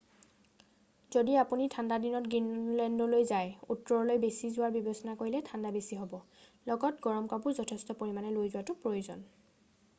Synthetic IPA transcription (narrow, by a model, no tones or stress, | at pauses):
zodiapunitʰandadinɔtɡɹinlɛndɔlojzajutːɔɹɔlojbesizʊwaɹbibɔsɔnakoɹilɛtʰandabesiɦɔbɔ | lɔɡɔtɡɔɹɔmkapʊɹzɔtʰɛstɔpoɹimanɛlojzʊwatʊpɹojozɔ̰n